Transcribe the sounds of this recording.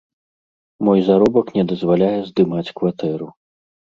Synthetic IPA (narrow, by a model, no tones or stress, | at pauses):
mɔjzaɾɔbɐknʲɛd̪ɐzvalʲajɛzd̪ɨmat͡sʲkvat̪ɛɾu